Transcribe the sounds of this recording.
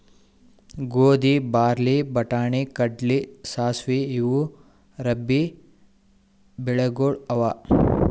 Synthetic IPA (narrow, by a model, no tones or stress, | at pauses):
ɡoːd̪ibaːɾlibɐʈaːɳikɐɖlisaːsʋiːʋu | ɾɐbːi | bɛɭeɡoːɭɐʋaː